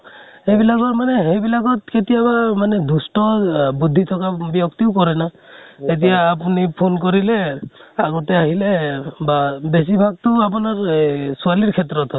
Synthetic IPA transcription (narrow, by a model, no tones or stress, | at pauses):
hejbilakɔtmanɛɦejbilakɔtketijabamanɛd̪ʱustɔbud̪ʱːit̪ʰɔkabijɔkt̪iʊkɔɹɛnaet̬ijaːp̬unipʰonkɔɹilɛaɡɔtɛaɦilɛbabes̬ibʱaɡ̚tʊap̬unaɹsualiɹkʰɛtɹɔt̪ɔ